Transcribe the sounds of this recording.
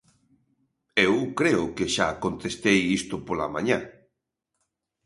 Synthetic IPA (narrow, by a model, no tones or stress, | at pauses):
ewkɾeʊkeʃakont̪est̪ejist̪ʊpola̰mã̰ɲã